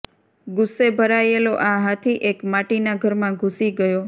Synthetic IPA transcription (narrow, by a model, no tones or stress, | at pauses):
ɡʊsːebʱəɾajeloʔãɦat̪ʰiʔekmaʈinaɡʱəɾmãɡʱusiɡəjo